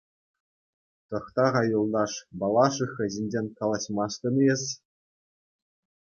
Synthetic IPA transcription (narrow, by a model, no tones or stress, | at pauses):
t̪ɤ̆χt̪ɑʁɑjulˠd̪ɑʂbɑlˠɑʂɯxɘ̆ʑenʲd͡ʑenʲkɑlˠɑɕmɑʂt̪ɤ̆nɤjĕsʲ